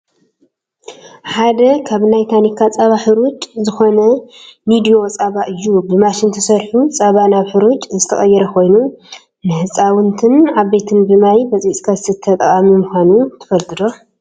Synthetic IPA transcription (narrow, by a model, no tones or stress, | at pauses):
ħad̪ɐkʰaβnajt̪ʰanikʰːat͡sʼaβaħɨɾut̪ʼzɨxo̞nɐmid̪io̞t͡sʼaβaʔɨjːubɨmaʃɪnt̪ʰɐsɐɾħut͡sʼaβanaβħɨɾut͡ʃʼzɨt̪ʰɐχʼɐjːɛɾɐkʰo̞jnu | nɨhɨt͡sʼawʊnt̪ʰɨnʕaβːe̞t̪ʰɨnbɨmajbɐt͡sʼit͡sʼkʰasɨt̪ʰːɐt̪ʼɐχʼamimɨxʷanut̪ʰɨ̥fɐlt̪ʰɨd̪o̞